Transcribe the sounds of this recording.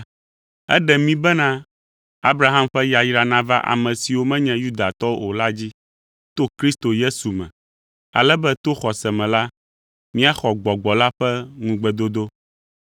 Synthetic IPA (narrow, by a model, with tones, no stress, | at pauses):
ɛ̰˦ɖɛ˨mĩ˦bɛ˦nã˦ | a˦bɾa˦ɦã˦mɸɛ˦ja˨ji˦ɾa˨nã˦va˦ʔa̰˨mɛ̃˨si˨wo˦mɛ̃˦ɲɛ̃˨ju˦d̪a˨t̪ɔ˦o˦o˨la˦d͡ʑi˦ | t̪o˦kɾi˦st̪o˨je˦su˨mɛ̰̃˨ | a̰˨lɛ˦bɛ˦t̪o˦xɔ˨sɛ˨mɛ̃˨la˦ | mĩ˦a˦xɔ˨ɡ͡bɔ˨ɡ͡bɔ˨la˦ɸɛ˦ŋũ˨ɡ͡bɛ˨d̪o˦d̪o˦